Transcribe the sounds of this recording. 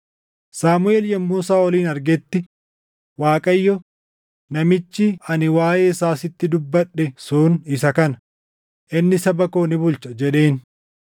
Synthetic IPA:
saːmʊeːljɐmːuːs̬aːɔliːnɐɾɡɛt̪ːɪ | waːkʼɐjːɔ | nɐmɪt͡ʃːɪɐnɪwaːjeːɪsaːsɪt̪ːɪd̪ʊbːɐᶑɛsuːnɪsɐkɐnɐ̥ | ʔɪnːɪsɐbɐkoːnɪbʊlt͡ʃɐd͡ʒɛᶑe̞ːn

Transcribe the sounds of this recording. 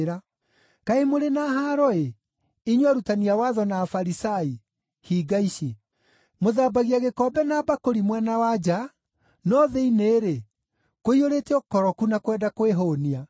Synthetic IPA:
ɾa | kaemoɾenaɦaɾɔe | iɲwaɾutaniawaðɔnaːfaɾisai | hiɡaiɕe | moðaːbaɣiaɣekɔbɛnabakoɾimwɛnawad͡ʑa | nɔðeineːɾe | koioɾetɛɔkɔɾɔkunakwɛːdakoeɦoːnia

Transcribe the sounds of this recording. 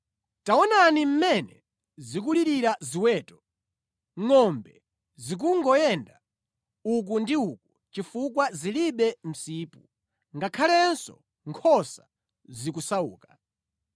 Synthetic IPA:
taɔnanim̩mɛnɛ̰ | zik̬uliɾiɾaziwɛːtɔ̥ | ŋɔmbɛ | zik̬uŋɡɔjɛnda | uk̬undiuk̚u | t͡ʃifukwaziliɓɛm̩siːpu | ŋɡakʰalɛnsɔ̰ | ŋkʰɔsa | zik̬usaṵːkḁ

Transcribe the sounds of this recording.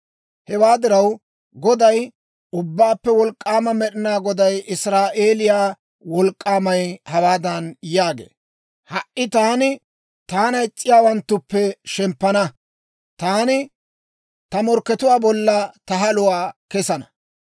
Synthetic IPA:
hɛwaːd̪ɪɾɐw | ɡɔd̪ɐj | ʊbːaːpːɛwɔlkʼːaːmɐmɛɗɪnaːɡɔd̪ɐjɪsɾaːʔeːlɪjaː | wɔlkʼːaːmɐjhɐwaːd̪ɐnjaːɡḛː | hɐʔɪt̪aːnɪ | t̪aːnɐɪt͡sʼːɪjaːwɐnt̪ːʊpːɛʃɛmpːɐnɐ | t̪aːnɪ | t̪ɐmɔɾkːɛt̪ʊwaːbɔlːɐt̪ɐɦɐlʊwaːkɛsɐnɐ̥

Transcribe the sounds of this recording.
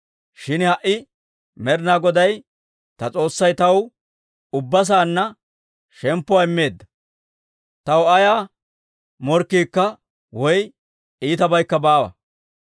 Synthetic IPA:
ʃɪnhɐʔɪ | mɛɾnaːɡɔd̪ɐj | t̪ɐt͡sʼo̞ːsːɐjt̪ɐw | ʊbːɐs̬aːnːɐ | ʃɛmpːʊwaːɪmːe̞ːd̪ːɐ | t̪ɐwɐjaː | mɔɾkːiːkːɐ | wɔj | iːt̪ɐbɐjkːɐbaːwɐ̰

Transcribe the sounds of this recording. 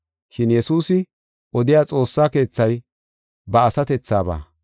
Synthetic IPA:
ʃɪnjɛsuːsɪ | ʔɔd̪ɪjaːt͡sʼo̞ːsːaːke̞ːt͡sːɐj | bɐːsɐt̪ɛt͡sːaːba̰ː

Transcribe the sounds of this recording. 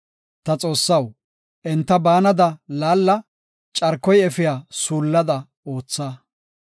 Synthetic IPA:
t̪ɐt͡sʼo̞ːsːɐw | ʔɛnt̪ːɐbaːnɐd̪ɐlaːlːɐ | t͡ʃʼɐɾkːɔjɛfɪjaːsuːlːɐd̪ɐ | o̞ːt͡sːaː

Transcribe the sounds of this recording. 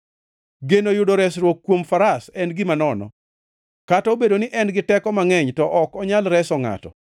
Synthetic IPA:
ɡenojʊdoɾɛsɾwokːwomfaɾasɛnɡɪmanɔnɔ̰ | katɔobedonɪʔɛnɡɪtɛkɔmaŋɛɲtɔʔɔkɔɲalɾɛsɔŋa̰tɔ̰

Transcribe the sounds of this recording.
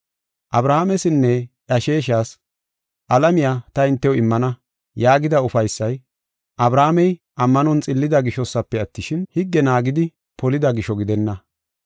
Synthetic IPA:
ʔɐbɾaːamɛsɪnːɛʔɐʃeːʃaːs | ʔɐlɐmɪjaːt̪ɐɪnt̪ːɛwɔɪmːɐnɐ | jaːɡɪd̪ɐʊfɐjsːɐj | ʔɐbɾaːmɛj | ʔɐmːɐnɔnt͡sʼɪlːɪd̪ɐɡɪʃɔsːɐpːɛɐt̪ːɪʃɪnhɪɡːɛnaːɡɪd̪ɪ | pɔlɪd̪ɐɡɪʃɔɡɪd̪ɛnːɐ

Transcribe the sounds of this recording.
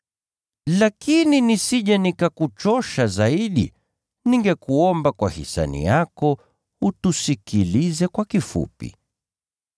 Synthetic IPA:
lakininisiʄanikakut͡ʃɔʃazaiɗḭ | niŋɡɛkuɔmbakwahḭsa̰nḭjakɔ | utusikilizɛkwakifṵpḭ

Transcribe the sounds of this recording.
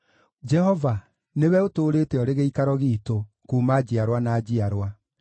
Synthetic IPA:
d͡ʒɛhɔva | newɛotoːɾeːtɛɔɾeɣeikaɾɔɣiːto | kuːmad͡ʑiaɾwanaːd͡ʑiaɾwa

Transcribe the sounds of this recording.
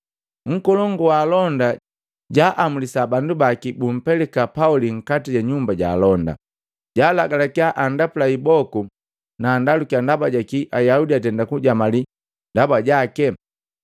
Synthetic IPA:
ŋ̩kɔlɔŋɡɔwaːlɔnda | ɟaʔamulisabandubakibum̩pɛlɛkapauliŋ̩katiɟaɲumbaɟa̰ːlɔnda̰ | ɟaːlaɡalakiaʔandapulaibɔku | naːndalukiandabaɟakiʔajaudiatɛndakuɟamali | ndabaɟakɛ

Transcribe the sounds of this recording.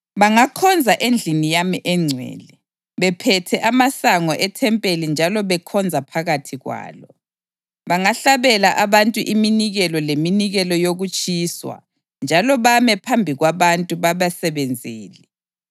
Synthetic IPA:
βaŋakʰɔnd͡zʱaʔend͡ɮʱinijamiʔɛŋ͡ǀʱwɛ̰ːlɛ | βɛpʰɛtʰɛʔamasaŋɔʔɛtʰɛmpʼelind͡ʒʱalɔβɛkʰɔnd͡zʱapʰaɣatʰiɣwa̰ːlɔ | βaŋaɬaβɛlaʔaβantʼuʔiminiɣɛlɔleminiɣɛlɔjoɣut͡ʃʼiːswa̰ | nd͡ʒʱalɔβamɛpʰambʱiɣwaβantʼuβaβasɛβend͡zʱiːlɛ

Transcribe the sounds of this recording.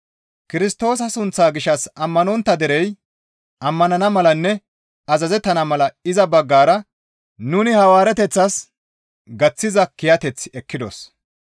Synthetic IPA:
kɪɾɪst̪o̞ːs̬ɐsʊnt͡sːaːɡɪʃɐsɐmːɐnɔnt̪ːɐd̪ɛɾɛj | ʔɐmːɐnɐnɐmɐlɐnːɛ | ɐzɐzɛt̪ːɐnɐmɐlɐɪzɐbɐɡːaːɾɐ | nʊnɪhɐwaːɾɛt̪ɛt͡sːɐs | ɡɐt͡sːɪzɐkɪjɐt̪ɛt͡sːɛkːɪd̪ɔ̰s

